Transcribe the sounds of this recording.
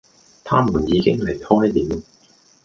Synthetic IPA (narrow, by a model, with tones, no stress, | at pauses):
t̪ʰaː˥muː˨˩njiː˨˧kɪ˥ŋle˨˩jhɔː˥jliː˨˦m